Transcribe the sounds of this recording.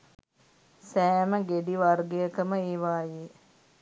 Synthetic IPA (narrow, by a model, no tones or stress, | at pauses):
sæːməɡeɖiʋarɡejəkəməeːʋaːje